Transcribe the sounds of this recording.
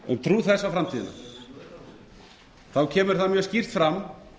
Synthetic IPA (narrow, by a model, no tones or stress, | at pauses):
ʏ̰mt̪ʰɾuθɛsːafɾamt̪ʰiːðɪna̰ | θawcʰɛːmʏɾ̥θaðmjœːscir̥t̪fɾamː